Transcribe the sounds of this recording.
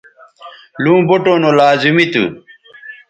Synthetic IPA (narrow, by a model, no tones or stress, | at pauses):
lũːboʈoːnolaːzimit̪ṵ